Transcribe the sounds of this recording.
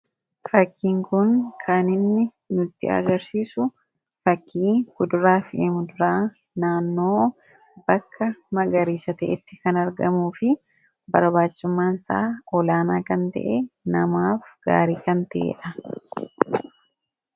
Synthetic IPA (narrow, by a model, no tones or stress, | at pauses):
fɐkːiːŋkʊnkʰaːnɪnːɪ | nʊt̪ːɪ̰ɐ̰ɡɐɾsiːsʊ | fɐkʰːiːɡ̥ʊd̪ʊɾaːfeːmʊd̪ʊɾaː | naːnːo̞ː | bɐkːɐmɐɡɐɾiːsɐt̪ɛ̰ʔɪ̰t̪ːɪkɐnɐɾɡɐmuːfɪ | bɐ̰ɾbaːt͡ʃːsʊmːaːnsa̰ːʔɔlaːnaːkɐnt̪ɐ̰ʔenɐmaːfɡ̥a̰ːɾiːkɐnt̪ɐʔḛːᶑɐ